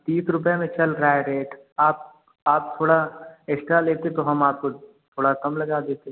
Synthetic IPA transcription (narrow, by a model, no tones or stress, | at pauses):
t̪iːsʰɾʊp̬jemẽt͡ʃɐlɾɾaːjɾeːʈ | aːp̚ | aːp̚t̪ʰoːɽaesʈɾaleːt̪eet̪oɦɐmaːp̚ko | t̪ʰoːɽak̪ɐmlɐɡaːd̪eːt̪eɦ